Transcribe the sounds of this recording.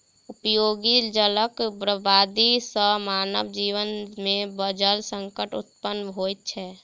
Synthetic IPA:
ʊpjoːɡid͡ʒələkbɾəbaːd̪isəmaːnəʋd͡ʒiːʋənmẽbəd͡ʒəlsə̃ŋkəʈʊ̰t̪pənɦoːjt̪̚t͡ʃʰɛː

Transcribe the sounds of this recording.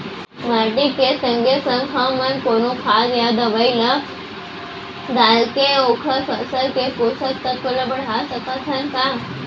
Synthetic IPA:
maʈikesəŋɡesəŋkʰamənkoñukʰaɡjad̪əʋajlə | d̪alkeokʰəsəsəlkekosəkt̪ːət̪̚kʰoləbəɽɦasəkasʰənkã

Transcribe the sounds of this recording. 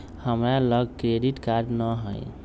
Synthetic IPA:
həmɾaləɡkɾeɖiʈkaɾɖnəɦə̰j

